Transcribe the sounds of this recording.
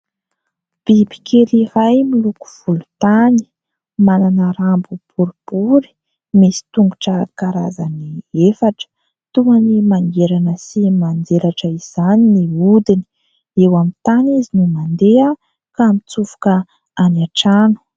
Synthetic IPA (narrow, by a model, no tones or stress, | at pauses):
b̥ibi̥kʰeliɾajmiluku̥v̥ulu̥t̪ani̥ | mananəɾambub̥uɾib̥uɾi̥ | mesi̥t̪uŋɡuʈ͡ʂəkaɾazaniefaʈ͡ʂə̥ | t̪uŋanimaŋɡeɾanəsimand͡zelaʈ͡ʂəiz̥aniniud̪ini̥ | ewamit̪anizinumand̪ea | kamit͡sufu̥kə | anaʈ͡ʂanu̥